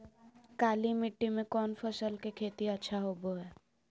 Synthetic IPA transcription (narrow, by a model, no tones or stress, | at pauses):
kaːlimɪʈːimẽkɔːnfəsəlkekʰeːt̪iɐtːʃʰaɦoːboɦɛː